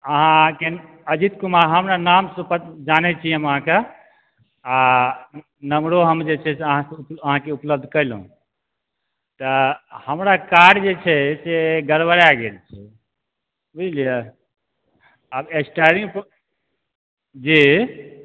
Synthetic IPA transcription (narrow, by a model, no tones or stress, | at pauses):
əɦãke | əd͡ʒit̪kumaɾɦəmɾanamsupəd͡ʒanɛt͡ʃʰijəməɦãke | a | nəmɽoɦəmd͡ʒet͡ʃʰɛseəɦãsəɦãkeupləb̚d̪ʱkəjlɦṵ̃ | t̪əhəmɾakaɖd͡ʒet͡ʃʰɛseɡəɾbəɾaɡelt͡ʃʰɛ | bid͡ʒlijə | əbesʈaɾĩŋɡp | d͡ʒi